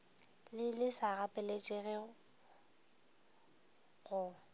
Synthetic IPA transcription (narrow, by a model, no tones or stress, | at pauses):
lɪlɪsaɣapʼɛlet͡ʃʼɛɣɛ | ɣʊ